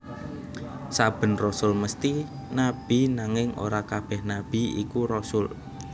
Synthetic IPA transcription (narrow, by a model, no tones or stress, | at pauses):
sab̥ə̤nrɔsʊlməst̪i | nab̥i̤naŋɪŋo̰ɾakab̥ɛhnab̥i̤ḭkuɾɔsʊl